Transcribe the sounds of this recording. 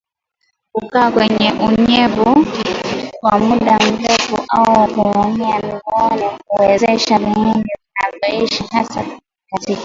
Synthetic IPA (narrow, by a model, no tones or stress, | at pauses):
kukaːkwɛɲɛʔuɲɛvu | kwamuɗam̩ɾɛfṵʔauakumɔŋiamiɡɔnɛkuwɛzɛʃaviiŋɡivinavɔiʃihasa̰ka | ikati